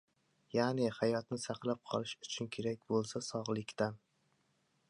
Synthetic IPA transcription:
janɪhajɒt̪nɪsaqlˠap̚qʰɒlˠɪʃʊt͡ʃʰʊnkʲʰe̞ɾakʲbolˠsasɒʁlˠɪkʲt̪an

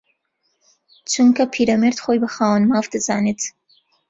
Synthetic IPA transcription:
t͡ʃʰuŋkʰapʰiːɾameɾt̪xojbəxaːwənmaːvd̪ɨzɑːnet̪

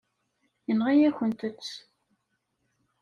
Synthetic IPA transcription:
jənʁijæçənt̪ət͡sː

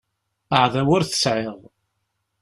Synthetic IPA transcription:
əʕðæwʊɾθə̥sʕeʁ

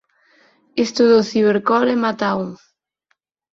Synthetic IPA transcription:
ist̪uðoθiβeɾkɔlɛmat̪awŋ

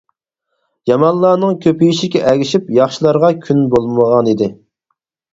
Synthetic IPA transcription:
jɑmɑnlˠɑːnɨŋkʲʰøpijiʃikʲɛʔæɡʲiʃipjɑχʃilˠɑɾʁɑkʲʰynbolˠməʁɑnid̪ɪ

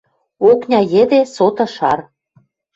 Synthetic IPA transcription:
oknʲɑjĕd̪esot̪ɤ̆ʃɑr

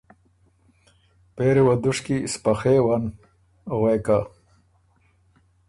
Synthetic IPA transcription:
peːɾewad̪uʂkispaxewan | ɣweka

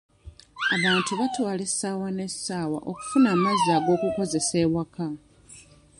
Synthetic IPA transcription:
aβaːntuβatwaːle̞saːwane̞sːaːwa̰ʔoku̥funaːmaziaːɡo̞ːkuko̞ze̞se̞ːwaka

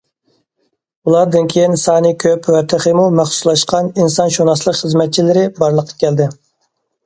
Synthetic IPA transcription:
ulˠɑɾd̪ɨnkʲʰejinsɑːnɨkʲʰøpwɛt̪ʰɪχəmumæχsuslˠɑʃqɑninsɑnʃunɑslˠəqχəzmɛt̪̚t͡ʃʰilɪɾɪbɑɾlˠəqʰːɑ̥kʲʰɛld̪ɪ

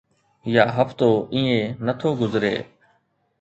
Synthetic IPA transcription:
jaːɦəpt̪oːʔĩːẽːnət̪ʰoːɡʊzɾḛː

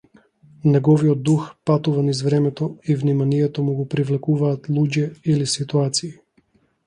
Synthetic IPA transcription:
nɛɡɔviɔd̪̚ːuxpat̪uvanizvɾɛmɛt̪ɔivnimanijɛt̪ɔmuɡɔpɾivlɛkuvaːt̪lˠuɟɛilisit̪uat̪siː

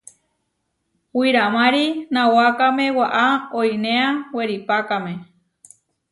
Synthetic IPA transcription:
wiɾamãɾinãwakamẽwaʔaojneaweɾipakamẽ

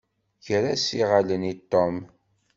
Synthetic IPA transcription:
çɾasiʁalənit̪ːom

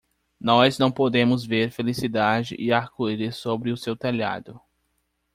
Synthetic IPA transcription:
nɔznɐ̃w̃pod̪ẽmʊzveɾfelisid̪ad͡ʒɪ̰ʔɪaɾkuɾɪsobɾɪʊsewt̪eʎa̰d̪ʊ

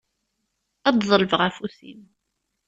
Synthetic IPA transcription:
æd̪ðˤəlvəʁæfusḭm

